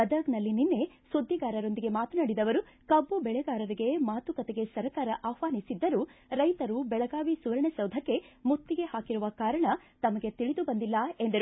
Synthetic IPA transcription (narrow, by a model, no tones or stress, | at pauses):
ɐd̪ɐɡnɐlːininːe̞ | sud̪ʱːiɡaːɾɐɾo̞nd̪iɡe̞maːt̪ɐnaːɽid̪ɐʋɐɾu | kɐbːubɛɭɛɡaːɾɐɾiɡe̞maːt̪ukɐt̪eɡe̞sɐɾɐkaːɾɐʔaːhʋaːnisid̪ːɐɾuɾɐjt̪ɐɾubɛɭɐɡaːʋisuʋɾɐɳesɐwd̪ʱɐkːe̞mut̪ːiɡe̞haːkiɾuʋɐkaːɾɐɳɐ | t̪ɐmɐɡe̞t̪iɭid̪ubɐnd̪ilːɐe̞nd̪ɐɾu